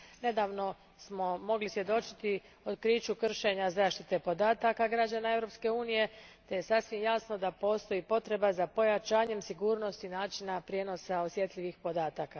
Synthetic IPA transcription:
ne̞d̪aːʋno̞ | smo̞mo̞ɡlisʋje̞d̪o̞t͡ʃi̥t̪i | o̞d̪kɾiːt͡ʃukr̩ʃe̞ɲazaːʃt̪it̪e̞po̞d̪aːt̪akaɡɾad͡ʑanae̞vɾo̞pske̞uːnije̞t̪e̞je̞sasʋimjasno̞d̪apo̞ːst̪o̞jipo̞t̪ɾe̞bazapo̞jat͡ʃaːɲe̞msiɡuːɾno̞st̪inaːt͡ʃinapɾʲjeːno̞sao̞sje̞t̪ʎʲiʋixpo̞d̪aːt̪aka

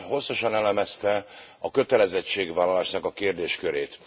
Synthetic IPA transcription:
ho̞sːɒʃɒnɛlɛmɛst̪ɛɒkø̞t̪ɛlɛzɛt͡ʃːeːɡʋaːlːɒlaːʃnɒkɒkeːrd̪eːʃkøɾeːt̪

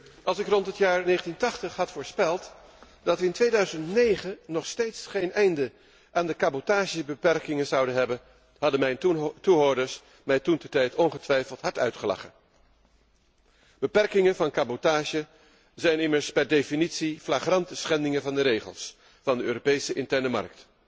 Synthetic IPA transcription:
ʔɑlˠsɪkrɔntɦətjaːɹnejχəntintɑχtəχɦɑtfʊːɹspɛlˠt | d̥ɑtʋəɪntʋejdœɥzəntnejχənɔχstejtsχejnɛjndə | ʔaːndəkabotaːʒəbəpɛrkɪŋəzɑwdənɦɛbən | ɦɑdəmɛjntuɦoɹdəɹs | mɛjtuntɛɹtɛjtɔnχətʋɛjfəlˠtɦɑɹtœɥtχəlɑ̰χən | b̥əpɛrkɪŋənvɑnkabotaːʒə | zɛjnɪməɹspɛɹdejfinitsiflaχrɑntəsχɛndɪŋəvɑndəɾejχə̰lˠs | fɑndəøːropejsəʔɪntɛɹnəmɑ̰rk̚t

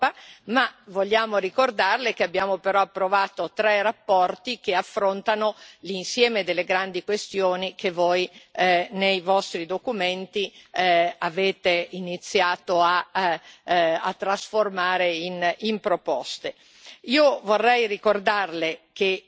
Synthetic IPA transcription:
pːamavolːaːmoɾikord̪arlekeabːjaːmopeɾɔapːɾovaːt̪ot̪ɾɛrapːɔrt̪ikeafːɾont̪anolinsjɛːmed̪elːeɡɾand̪ikwest̪joːnikevoj | nejvɔst̪ɾid̪okument̪i | aveːt̪einit̪sːjaːt̪oa | a̰t̪ːɾasformaːɾeinimpɾopɔst̪e | iːovorːɛjrikord̪arleke

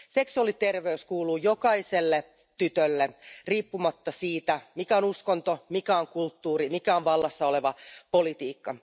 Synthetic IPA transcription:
seksuɑlit̪erʋeyskuːluːjokɑiselːe | t̪yt̪ølːeriːpːumɑt̪ːɑsiːt̪æmikæonuskont̪omikæoŋkult̪ːuːrimikæonʋɑlːɑsːɑoleʋɑpolit̪iːkːɑ

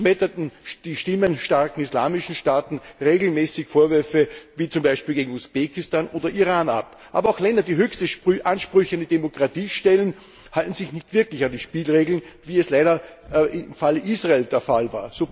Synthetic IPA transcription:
mɛtɐtn̩d̥iːʃtɪmənʃtaɐkŋ̩isla̰ːmɪʃn̩ʃtaːtn̩ʁeːɡl̩mɛːsɪçfoːɐvʏɐfəviːt͡sʊmbaɪʃpiːlɡeːɡŋ̩usb̥eːkɪstaːnʔoːdɐʔiʁaːna̰p | ʔaːbɐaʊxlɛndɐdiːɦøːçstəpʔanʃpʁʏçəændidemokʁ̥atiːʃtɛlən | haltn̩zɪçnɪçtv̥ɪɐklɪçandiːʃpiːlʁeːɡl̩nviːɛslaɪɾɐɪmfaləʔiːsʁaeːld̥eːɐfalva̰ːɐsoː

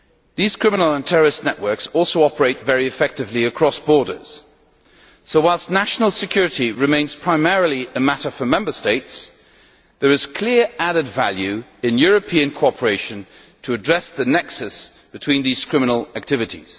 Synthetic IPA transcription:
ðiz̥kʰɹ̥ɪ̃mənl̩ˠə̃ntʰɛɹə˞ɨsnɛʔwɜ˞ksɔlˠsoʊɑpə˞eɪtvɛɹiɨfɛk̚tɨvliɨkʰɹ̥ɔsb̥ɔɹɾə̰˞z̥ | soʊwaɪlˠstⁿnæʃn̩l̩ˠsɨkʰj̥ʊɹɨɾiɹɨmẽɪ̃nz̥pʰɹ̥aɪmɛɹl̩ˠiɨmæɾəfə˞mɛ̃mbə˞steɪts | ðə˞ɨz̥kʰl̥ɪɹæɾɨdvælˠjʉɪ̃njʊɹɨpʰĩɨ̃nkʰoɔpʰə˞eɪʃɨ̃n | tʰəːdɹɛsðɨnɛksɨs | b̥ɨtʰw̥ĩnðiz̥kʰɹ̥ɪmənl̩ˠæk̚tʰɪvɨɾḭz̥

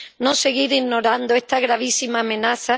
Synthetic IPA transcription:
no̞se̞ɣiɾino̞ɾand̪oe̞st̪aɣɾaβ̞isimaːmẽ̞naθa

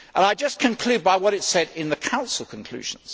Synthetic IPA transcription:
ʔə̃naɪd͡ʒʌskʰɨ̃nkʰl̥ʉd̚baɪwʌɾɨtsɛɾɪ̃nðəkʰãʊ̃nsəl̩ˠkʰə̃nkʰl̥ʉ̰ʒ̥ə̰̃n̩z̥

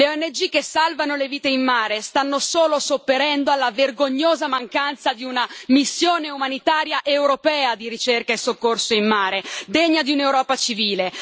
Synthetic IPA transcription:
leoɛnːed͡ʒik̟ːesːalvanoleviːt̪eimmaːɾest̪anːosoːlosopːeɾɛnd̪oalːaverɡoɲːoːzamaŋkant̪sad̪iunamisːjoːneumanit̪aːɾjaʔewɾopɛːad̪iɾit͡ʃerkaesːokːorsoimmaːɾed̪eɲːad̪iunewɾɔːpat͡ʃiviːle

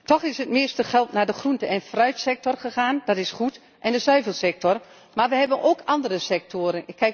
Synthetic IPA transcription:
tɔxɪsətmɪəstəxɛlˠtnadəxruntəʔɛnfrœɥtsɛk̚tɔrχəxaːndɔtɪsχut | ʔɛndəsœɥvəlˠsɛk̚tɔr | marʋəhɛbənʔoːkʰɑndərəsɛk̚tʰoːɾənɪkʰːɛ

